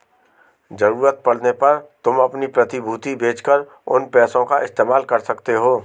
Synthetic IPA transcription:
d͡ʒɐɾuːɾət̪̚pɐɽ̤nepɐɾt̪ʊmɐpnipɾɐt̪ɪbʱuːt̪ibeːt͡ʃkəɾ | ʊ̰npɛːsõkaʔɪst̪eːmaːlkɐɾsɐkt̪eɦoː

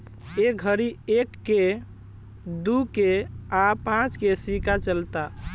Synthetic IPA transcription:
ek̚ɡʱəɾiekːe | d̪ukeapãt͡ʃkesikat͡ʃəlt̪a

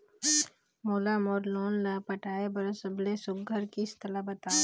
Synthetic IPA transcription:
moːlamɔːɾloːnlapɐʈʰaːebɐɾosəblesʊɡɡʱəɾkiɪst̪əlabɐt̪aː

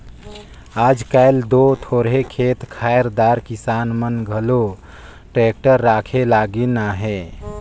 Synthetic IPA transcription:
ad͡ʒkajld̪ot̪ʰoɾɦekʰet̪kʰajɾd̪aɾkisanmənɡʱəlo | ʈɾek̚ʈəɾːakʰelaɡinaɦe

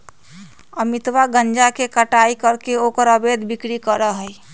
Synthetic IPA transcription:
əmit̪waɡənd͡ʒakekəʈaikəɾkeokəɾəbed̪ʱbikɽikəɾəɦəj

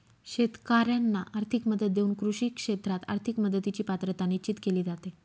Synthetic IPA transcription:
ɕet̪kaɾjanːaʔaɾt̪ʰikməd̪ət̪̚d̪euːnkɾuɕiːkʂet̪ɾat̪a̰ɾt̪ʰikməd̪ət̪it͡ɕiːpat̪ɾət̪anit͡ɕit̪keliːd͡zat̪e

